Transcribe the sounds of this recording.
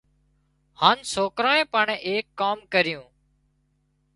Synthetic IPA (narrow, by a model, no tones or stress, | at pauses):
haːnsoːkɾaːẽːpəɳeːkːaːmkəɾɪjũː